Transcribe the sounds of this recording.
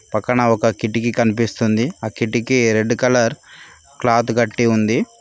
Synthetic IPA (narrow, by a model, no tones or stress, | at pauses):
pɐkːɐɳɐɔkɐkiʈːikikɐnipist̪und̪iaːkiʈːikiɾe̞ɖːukɐlɐɾ | klaːt̪uɡɐʈːiund̪i